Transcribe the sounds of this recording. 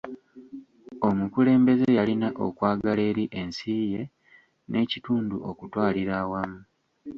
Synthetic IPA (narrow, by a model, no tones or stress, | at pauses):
o̞mukule̞ːmbe̞zejalinaʔo̞̰kwaːɡale̞ːɾiʔe̞nsiːje̞ | nʔe̞cituːnduʔo̞kutwaːliɾaːwamu